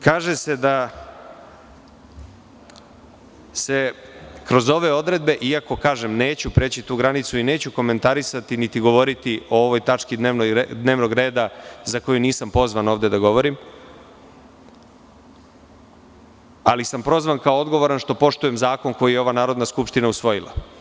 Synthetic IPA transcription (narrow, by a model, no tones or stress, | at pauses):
kaːʒese̞d̪a | se̞kɾo̞zo̞ʋe̞o̞d̪ɾe̞d̪̚be̞ʔiako̞kaːʒe̞mne̞ːt͡ɕupɾe̞ːt͡ɕit̪uːɡɾanit̪suine̞ːt͡ɕuko̞me̞nt̪aɾisat̪init̪iɡo̞ʋo̞ɾit̪io̞o̞ʋo̞jt̪at͡ʃkid̪neːʋnod̪ne̞ːʋno̞ɡɾe̞ːd̪azako̞juniːsampo̞zʋano̞ːʋd̪e̞d̪aɡo̞ʋo̞ɾim | alisampɾo̞zʋankaoo̞d̪ɡo̞ʋo̞ɾanʃt̪o̞po̞ʃt̪uje̞mzaːko̞nko̞jijɛo̞ʋanaːɾo̞d̪naskupʂt̪inausʋo̞jilˠa̰